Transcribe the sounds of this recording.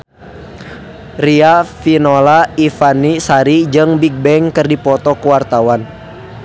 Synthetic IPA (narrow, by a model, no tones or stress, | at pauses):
riafinɔlaifanisaɾid͡ʒɨŋbiɡ̚bɛŋkɨrdipɔt̪ɔkəwart̪awan